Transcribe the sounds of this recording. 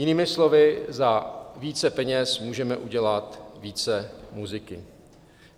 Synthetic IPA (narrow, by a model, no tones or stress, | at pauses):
jɪniːmɪslo̞vɪzaviːt͡sɛpɛɲɛsmuːʒɛmɛʔuɟɛlat̪viːt͡sɛmuzɪkɪ̰